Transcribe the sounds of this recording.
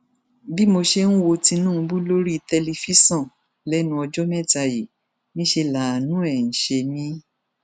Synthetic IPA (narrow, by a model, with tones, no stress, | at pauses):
bi˦mo˧ʃe˧nũ˦wo˧tĩ˧nũ˦˧bu˦lo˦ɾi˦˧tɛ˧li˧fi˦sɔ̃˦˨ | lɛ˦nũ˧ɔ˧d͡ʒɔ˦mɛ˦˨ta˧ji˨ | nĩ˦ʃe˧la˨nũ˨˦ɛ˨n̩˨ʃe˧nĩ˦